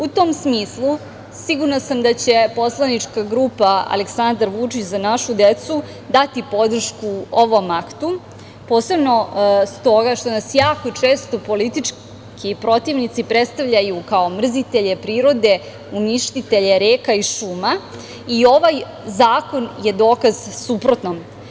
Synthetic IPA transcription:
ut̪omsmiːslˠu | siɡuɾnasamd̪at͡ɕe̞po̞slˠanit͡ʂkaɡɾuːpaa̰leksand̪aɾʋut͡ʂit͡ɕzanaʃud̪et̪su | d̪at̪ipo̞d̪r̩ʃkuoʋo̞makt̪u | po̞ːse̞bno̞st̪o̞ɡaʃt̪o̞nasjaːko̞t͡ʂe̞ːst̪o̞po̞lit̪it͡ʃ | kipɾo̞t̪iʋnit̪sipɾet̪st̪aʋʎajukao̞mr̩zit̪e̞ʎe̞pɾiːɾo̞d̪e̞ | uniʃt̪it̪e̞ʎeɾeːkaiʃuːma | io̞ʋaj | zaːko̞nje̞d̪o̞ːkaz̥supɾo̞t̪nom

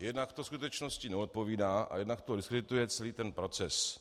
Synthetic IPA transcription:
jɛdnakt̪oskut̪ɛt͡ʃno̞scɪnɛo̞t̪̚po̞viːdaːʔa̰jɛdnakt̪odɪskɾɛdɪt̪ujɛt͡sɛliːt̪ɛnpɾo̞t͡sɛs

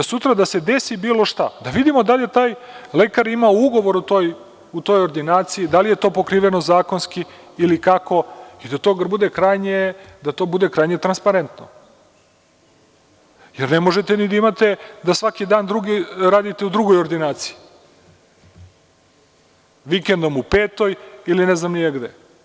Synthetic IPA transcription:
sut̪ɾad̪ase̞d̪e̞sibiːlo̞ʃt̪ad̪aʋid̪imo̞d̪alʲje̞t̪aːjle̞kaɾimaouɡo̞ʋo̞ɾut̪oːj | ut̪o̞ːjoɾd̪inaːt̪siid̪alije̞t̪o̞ːpokɾiːʋeno̞zaːko̞nskiː | likako̞id̪at̪o̞ɡaɾbud̪e̞kɾajɲed̪at̪o̞bud̪e̞kɾajɲet̪ɾanspaɾe̞nt̪no | jeɾnemo̞ʒet̪enid̪aimat̪ed̪asʋakid̪aːnd̪ɾuɡiɾaːd̪it̪eud̪ɾuɡo̞jo̞ɾd̪inaːt̪si̥i | ʋikend̪o̞mupeːt̪o̞jilineznamnijeɡd̪e

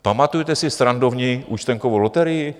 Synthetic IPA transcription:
pamat̪ujt̪ɛsɪst̪ɾandovɲiʔṵt͡ʃt̪ɛŋkovowlot̪ɛɾɪjɪ

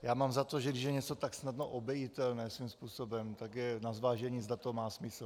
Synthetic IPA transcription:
jaːmaːmzat̪o̞ʒɛɡdɪʃ̬jɛɲɛt͡sot̪aksnadnoʔobjɛjɪt̪ɛlnɛːsvimspuːsobɛmt̪akjɛnazvaːʒɛɲiːzdat̪omaːsmɪsl̩

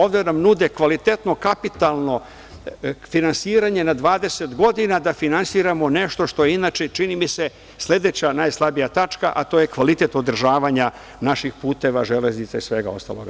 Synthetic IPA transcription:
o̞vd̪enamnud̪ekʋalit̪e̞t̪no̞kapit̪alˠno̞ | finansiːɾaɲe̞nad̪ʋaːd̪e̞set̪ɡo̞d̪inad̪afinansiɾamo̞ne̞ʃt̪o̞ʃt̪o̞jeinaːt͡ʃet͡ʃinimise | sle̞d̪e̞t͡ɕanajslˠabijat̪at͡ʃkaʔat̪o̞je̞kʋalit̪e̞t̪od̪r̩ʒaːʋaɲa | naʃixpuːt̪e̞ʋaʒe̞leznit̪saisʋe̞ɡa̰o̞st̪a̰lˠo̞̰ɡ

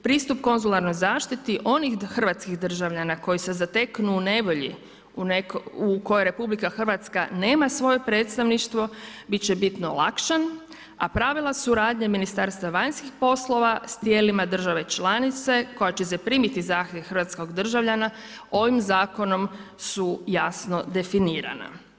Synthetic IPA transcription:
pɾiːst̪upko̞nzulaɾno̞jzaːʃt̪it̪iʔo̞nixxr̩ʋat̪skiɣd̪r̩ʒaʋʎanako̞jisezat̪e̞knuːne̞ʋo̞ʎḭ | unekuko̞jeɾe̞publikaxr̩ʋat̪ska̰ne̞ːmasʋo̞je̞pɾe̞ːt̪st̪aʋniʃt̪ʋo̞bit̪t͡ʃebit̪nolˠa̰kʃan | apɾaʋilˠasuɾaːd̪ɲeminist̪aɾst̪ʋaʋaɲskixpo̞slˠo̞ʋast̪je̞ːlimad̪r̩ʒaʋe̞t͡ʃlanit̪se̞ko̞jat͡ɕesepɾiːmit̪izaːxt̪jeʋxərʋat̪sko̞ɡd̪r̩ʒaʋʎana | o̞ʋimzaːko̞no̞m | sujasno̞d̪e̞finiːɾa̰na̰

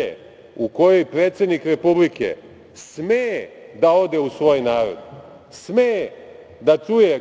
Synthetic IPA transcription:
ḛ | uko̞jo̞jpɾeːt̪se̞d̪nikɾe̞publikḛ | smed̪ao̞d̪e̞usʋo̞ːjnaːɾo̞̰d̪ | sme | d̪at͡ʂuje

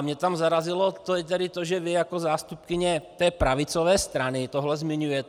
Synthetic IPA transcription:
mɲɛt̪amzaɾazilɔt̪ojɛt̪ɛɾɪt̪ɔʒɛʋɪjakɔzaːst̪up̚kɪɲɛt̪ɛːpɾaʋit͡sɔʋɛːst̪ɾanit̪ɔɦlɛzmɪɲujɛt̪

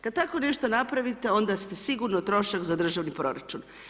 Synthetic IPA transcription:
kad̪̚t̪ako̞ne̞ʃt̪o̞napɾaʋit̪e̞o̞nd̪ast̪e̞siɡuɾnot̪ɾo̞ʃakzad̪ɾr̩ʒaʋnipɾo̞ɾat͡ʃun

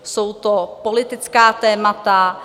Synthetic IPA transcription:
so̞wt̪opolɪt̪ɪt͡skaːt̪ɛːmat̪a

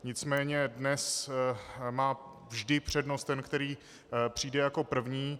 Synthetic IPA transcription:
ɲɪt͡smɛːɲɛdnɛs | maː | vʒdɪpr̝̥ɛdnost̪ɛnkt̪ɛɾiː | pr̝̥iːdɛjako̞pr̩vɲiː

